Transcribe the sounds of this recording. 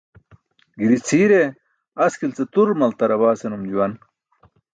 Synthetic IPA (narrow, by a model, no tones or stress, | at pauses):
ɡiɾit͡sʰiːɾe | ɐskilt͡set̪uɾmɐlt̪ɐɾɐβaːsenumd͡ʑuwɐn